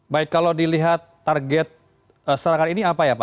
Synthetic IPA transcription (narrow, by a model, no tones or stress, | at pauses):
baɪkkːalawdiliɦat̪ːarɡɛt̪̚ | əsəɾaŋaniniapajapa